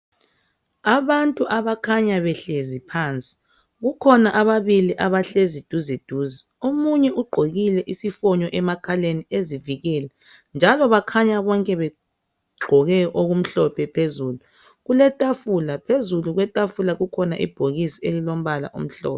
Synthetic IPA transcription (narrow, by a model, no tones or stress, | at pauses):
aβantʼuʔaβakʰaɲaβɛɬezipʰaːnt͡sʼi̥ | ɣukʰɔnaʔaβaβiliʔaβaɬezid̥ʱuzid̥ʱuːzi | omuɲɛʔuɡ͡ǃʱoɣilɛʔisifɔɲɔʔɛmakʰalenieziviɣɛlɛ | nd͡ʒʱalɔβakʰaɲaβɔŋkʼɛβɛ | ɡ͡ǃʱɔɣɛʔoɣum̩ɬɔpʰɛpʰezuːlu | ɣulɛtʼafulapʰezuluɣwɛtʼafulaɣukʰɔnaʔḭb̥ʱoɣisielilom̩βala̰ʔṵm̩ɬɔ̰ːpɛ